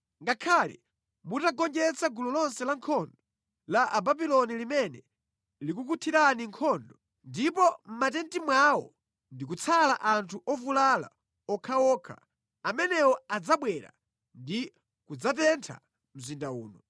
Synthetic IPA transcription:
ŋɡakʰalḭ | mutaɡɔnd͡ʒɛt͡saɡulɔlɔnsɛlaŋkʰɔndɔ | laʔababilɔnilimɛnɛ | lik̬ukutʰiɾaniŋkʰɔndɔ | ndipɔm̩mat̬ɛntimwawɔ̰ | ndik̬ut͡sʰalaʔantʰuʔɔvulala̰ | ɔkʰawɔːkʰa̰ | amɛnɛwɔad͡zaɓwɛɾa̰ | ndi | kud͡zatɛntʰa̰ | m̩zindaṵːnɔ

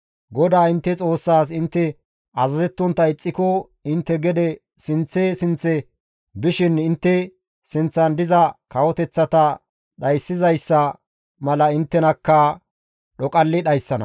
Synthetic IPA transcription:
ɡɔd̪aːɪnt̪ːɛt͡sʼo̞ːsːaːs̬ɪnt̪ːɛ | ɐzɐzɛt̪ːɔnt̪ːɐɪt͡sʼːɪkɔ | ɪnt̪ːɛɡɛd̪ɛ | sɪnt͡sːɛsɪnt͡sːɛ | bɪʃɪnɪnt̪ːɛ | sɪnt͡sːɐnd̪ɪzɐkɐwɔt̪ɛt͡sːɐt̪ɐ | ɗɐjsːɪzɐjsːɐ | mɐlɐɪnt̪ːɛnɐkːɐ | ɗɔkʼɐlːɪɗɐjsːɐnɐ̰

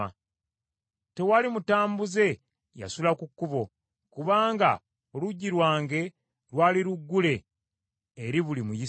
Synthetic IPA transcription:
a | te̞walimutaːmbuze̞ | ja̰sulakukːuβo̞ | kuβaːŋɡa̰ | oluɟːiɾwaːŋɡe̞ | ɾwaːliɾuɡːule̞ː | ɾiβulimuji

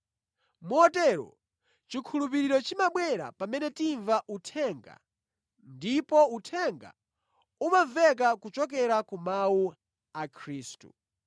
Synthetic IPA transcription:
muɔtɛɾɔ̰ | t͡ʃikʰulup̬iɾiɾɔt͡ʃimaɓwɛɾa̰pamɛnɛtiɱvaʔutʰɛŋɡa̰ | ndipɔutʰɛŋɡa̰ | umavɛk̬akut͡ʃɔk̬ɛɾakumawu | akʰɾiːstṵ

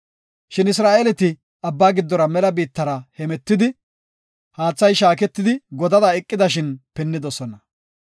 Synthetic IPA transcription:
ʃɪnɪs̬ɾaːʔelɛt̪ɪ | ɐbːaːɡɪd̪ːɔɾɐmɛlɐbiːt̪ːɐɾɐhɛmɛt̪ːɪd̪ɪ | haːt͡sːɐjʃaːkɛt̪ːɪd̪ɪɡɔd̪ɐd̪ɐɛkʼːɪd̪ɐʃɪnpɛnːɪd̪ɔsɔnɐ

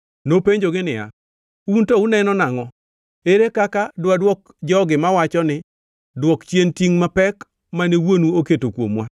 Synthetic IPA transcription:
nopeɲd͡ʒoɡɪnɪa̰ | untɔunɛnɔnaŋɔ | eɾekakadwadwɔk | d͡ʒɔɡɪmawat͡ʃɔnɪ | dwɔkt͡ʃjentiŋmapɛk | manewonuoketokwo̰mwa

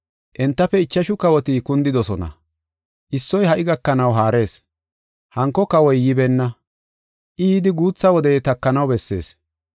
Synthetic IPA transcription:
ʔɛnt̪ːɐfɛɪt͡ʃːɐʃʊkɐwɔt̪ikʊnd̪ɪd̪ɔsɔnɐ̰ | ʔɪsːɔjhɐʔɪɡɐkːɐnɐwɦaːɾe̞ːs | hɐŋkːɔkɐwɔjːɪbɛnːɐ | ʔiːd̪ɪɡuːt͡sːɐwɔd̪ɛt̪ɐkːɐnɐwbɛsːe̞̰ːs

